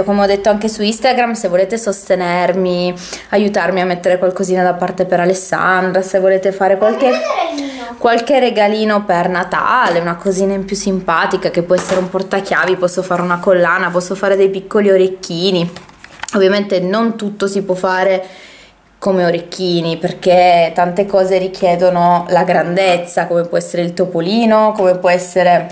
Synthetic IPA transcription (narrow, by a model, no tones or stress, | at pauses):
komeɔd̪ːet̪ːoaŋkesuist̪aɡɾamsevːoleːt̪esost̪enermi | ajut̪armiamːet̪ːeɾekwalkoziːnad̪apːart̪epeɾalesːa̰nd̪ɾasevːoleːt̪efaːɾekwalke | kwalkereɡaliːnopernat̪a̰ːleunakoziːnaimpjusimpaːt̪ikakepːwɔɛsːeɾeumpɔrt̪ak̟jaːvipɔsːofaːɾeunakolːaːnapɔsːofaːɾed̪ejpikːolioɾekːiːni | ovːjament̪enont̪ut̪ːosipwɔfːaːɾe | komeoɾekːiːniperk̟et̪ant̪ekɔːzeɾikjɛːd̪onolaɡɾand̪et̪sːakomepwɔɛsːeɾeilt̪opoliːnokomepwɔɛsːeɾe